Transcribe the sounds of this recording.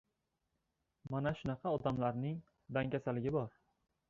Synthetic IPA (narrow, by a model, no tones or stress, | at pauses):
manaʃʊnɑqʰɑɒd̪amlaɾnɪŋ | d̪aŋkʲasalɪɡʲɪbɒɾ